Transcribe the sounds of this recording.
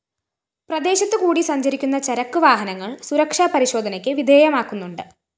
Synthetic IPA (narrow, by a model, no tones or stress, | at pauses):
prɐd̪e̞ːɕɐt̪ːɨkuːɽisɐɲd͡ʑɐɾikʲːunːɐt͡ɕɐɾɐkːɨʋaːɦɐnɐŋːɐɭsuɾɐkʂaːpɐɾiɕo̞ːd̪ʱɐnɐkʲːɨʋid̪ʱeːjɐmaːkːunːuɳɖɨ